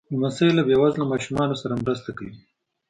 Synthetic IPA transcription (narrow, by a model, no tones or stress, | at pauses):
masajlabjawɑzlamɑʃumɑnosaɾamɾas̬t̪akawi